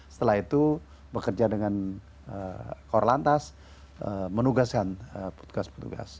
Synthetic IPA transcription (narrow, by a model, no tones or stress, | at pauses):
sə̥t̪əlahit̪u | bəkərd͡ʒadəŋan | əkorlant̪as | əmənuɡaskanəpə̥t̪u̥ɡaspə̥t̪ṵɡa̰s